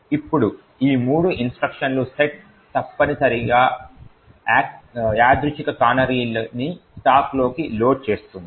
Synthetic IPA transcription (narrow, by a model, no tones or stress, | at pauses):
ipːuɽu | iːmuːɽuʔinsʈɾɐkʂɐnluseʈ̚ | t̪ɐpːɐnisɐɾiɡaː | aːd̪ɾut͡ʃikɐkaːnɐɾiːlɐnisʈaːklo̞ːkilo̞ːʈ̚t͡ʃe̞ːst̪und̪i